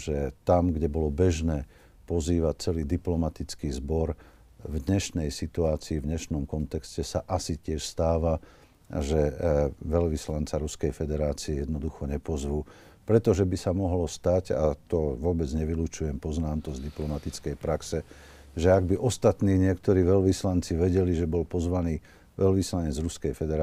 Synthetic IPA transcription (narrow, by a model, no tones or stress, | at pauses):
ʒ̥ɛt̪amɡɟɛbɔlɔbɛʒnɛː | pɔziːʋat͡sɛliːd̪iplɔmat̪it͡skiːzbɔɾ | vd̪ɲɛʃnɛjsit̪uaːt͡siːvɲɛʃnɔmkɔnt̪ɛkscɛsaʔasicɪɛʃst̪aːʋa̰ | ʒɛʋɛʎʋislant͡saɾuskɛjfɛd̪ɛɾaːt͡siɛjɛd̪nɔd̪uxɔɲɛpɔzʋuː | pɾɛt̪ɔʒɛbisamɔɦlɔst̪aɟa̰t̪ɔʋʊɔbɛd͡zɲɛʋiluːt͡ʃujɛmpɔznaːmt̪ɔzd̪iplɔmat̪it͡skɛjpɾaksɛ | ʒɛaɡ̚biʔɔst̪at̪niːɲɪɛkt̪ɔɾiːʋɛʎʋislant͡siʋɛɟɛliʒɛbɔlpɔzʋaniː | ʋɛlʋislaɲɛd͡zɾuskɛjfɛd̪ɛɾ